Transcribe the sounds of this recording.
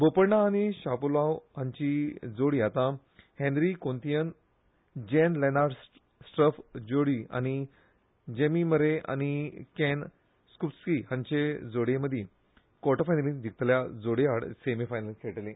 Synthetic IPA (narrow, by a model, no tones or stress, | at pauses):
bopəɾɳaːñiɕapulawɦãɲt͡ɕid͡zoɽiat̪ã | hɛ̃nd̪ɾikont̪ijən | d͡ʑɛnlenaɾɖ | sʈɾəfd͡ʑoɽia̰ñi | d͡ʑemiməɾeʔa̰ñikɛn | skuskihãɲt͡ɕed͡zoɽeməd̪ʱje | kɔʈəfajnəlĩnd̪ik̚ʰt̪ljad͡zoɽeaɽsemifajnəlkʰeʈəlẽ